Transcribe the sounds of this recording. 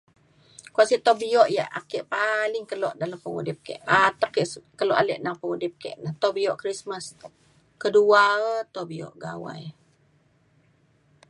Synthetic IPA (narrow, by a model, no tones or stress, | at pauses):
kwasit̪obiɔʔja̰ʔa̰kɛʔpalɪŋkəlɔʔdaləmpəŋṵdɪp̚kɛ̰ʔat̪əkɛʔkəlɔʔalɛ̰ʔnaŋpəŋudɪp̚kɛ̰ʔnəht̪ɔbijɔʔkɾismas | kəduaət̪obiɔ̰ʔɡa̰wa̰j